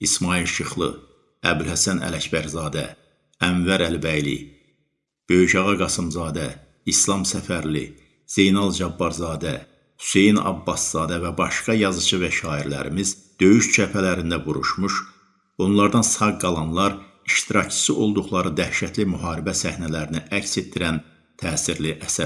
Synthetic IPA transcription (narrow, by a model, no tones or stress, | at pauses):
ismɑːilʃɯχlˠɯ̰ | æbilhæsænæ̰læcbæɾzɑːd̪æ̰ | æɱvæɾælbæjlḭ | b̥ø̞jyʃɑʁɑɡɑsɯmzɑːd̪æ | islˠɑmsæfæɾlḭ | z̥e̞jnɑlˠd͡ʒɑbːɑɾzɑːd̪æ | hy̥se̞jnɑ̰bːɑsz̥ɑːd̪ævæbɑʃkɑjɑzɯt͡ʃʰɯvæʃɑːiɾlæ̰ɾḭmiz | d̪̥ø̞jyʃt͡ʃʰæpʰælæɾind̪æbuɾuʃmuʃ | o̞nlˠɑɾd̪ɑnsɑɡɡɑlˠɑnlˠɑɾ | iʃt̪iɾɑcʰt͡ʃʰɯ̥sɯʔo̞lˠd̪uχlˠɑɾɯd̪æhʃæt̪ʰlimyɦɑːɾibæsæhnælæɾiniʔæcse̞t̪̚ːiɾæn | t̪ʰæːsiɾliʔæsæ